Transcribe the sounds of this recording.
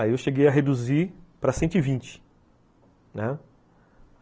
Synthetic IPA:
aiewʃeɡejɐɦed̪uzipɾɐsẽt̪ʊivĩnt͡ʃɪ̥ | nɛ

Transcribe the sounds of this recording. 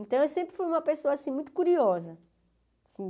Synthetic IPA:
ẽnt̪ɐ̃w̃ewsẽmpɾɪfujũmɐpesoɐasĩmũj̃t̪ʊ̥kuɾiɔzɐ | asĩ

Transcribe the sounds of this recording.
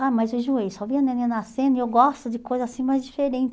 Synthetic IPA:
amɐjzʊʒuejsɔvĩɐ̃nẽnĩnasẽnd̪ʊɪewwɡɔst̪ʊd͡ʒɪkojzɐzasĩmajzd͡ʒifeɾẽnt͡ʃ

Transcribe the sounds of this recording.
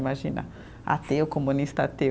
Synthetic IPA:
imaʒĩnɐ̰ | a̰t̪eʊkomũnist̪at̪e

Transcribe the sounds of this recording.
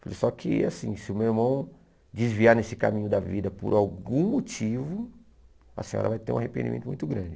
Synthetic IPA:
falesɔkɪasĩsɪʊmewiɾmɐ̃w̃ | d͡ʒɪzviaɾnesɪ̥kamĩɲʊd̪ɐvid̪ɐpʊ̰ɾawɡũmot͡ʃivʊ | ɐ̰sẽɲɔ̰ɾɐ̰vajt̪eɾũahepẽnd͡ʒimẽt̪ʊmũj̃t̪ʊɡɾɐ̃d͡ʒɪ

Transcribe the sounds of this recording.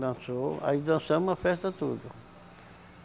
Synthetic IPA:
d̪ɐ̃soa̰id̪ɐ̃sɐ̃ũmɐfɛst̪ɐt̪ud̪ʊ

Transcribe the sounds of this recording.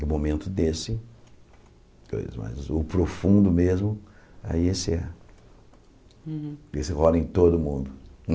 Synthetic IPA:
ʊmomẽnt̪ʊd̪esɪ | ko̰jzɐ̰zma̰jzʊpɾofũnd̪ʊmezmʊa̰iesɪɛ | esɪʁɔlɐẽj̃t̪od̪ʊmũnd̪ʊ

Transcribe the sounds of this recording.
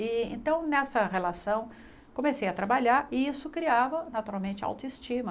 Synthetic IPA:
ɪḛ̃nt̪ɐ̃w̃nɛsɐɦelasɐ̃w̃ | kõmesejɐt̪ɾabaʎaɾɪisʊkɾiavɐnat̪uɾawmẽnt͡ʃɪa̰wt̪ʊist͡ʃĩmɐ

